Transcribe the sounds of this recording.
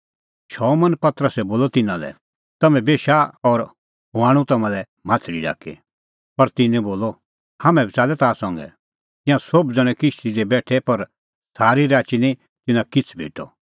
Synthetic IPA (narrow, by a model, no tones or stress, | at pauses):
ʃɔːmɐnpɐt̪ɾəsɛboːlɔt̪ɪnãlɛ̰ | t̪ɐmɛ̃beːʃaɔɾ | ɦʊaːɽ̃ũt̪ɐmãlɛ | maːt̪ʰɽiɖa̰ːkḛ | pɐɾt̪ɪnɛ̃boːlɔ | hamɛ̃bit͡saːlɛt̪aːsɔ̃ŋɡɛ̰ | t̪ɪ̃jãsobd͡zɐɽ̃ɛ̃kɪʃt̪id͡zɛbɛːʈʰɛpɐɾ | saːɾiɾaːt͡ʃinĩ | t̪ɪnãkɪt͡sʰbʱḛːʈɔ̰